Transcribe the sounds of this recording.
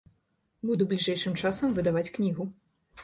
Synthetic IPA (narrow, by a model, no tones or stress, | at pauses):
bud̪ublʲiʐɛjʂɨmt͡ʂasɐmvɨd̪avat͡sʲknʲiɣu